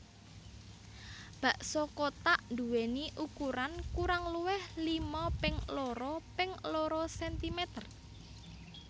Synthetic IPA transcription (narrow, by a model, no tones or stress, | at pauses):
b̥a̤ʔsɔkot̪aʔnd̪uweniʔukuɾankuɾaŋluwɪhlimɔpɪŋloɾɔpɪŋloɾɔsɛnt̪imɛt̪ər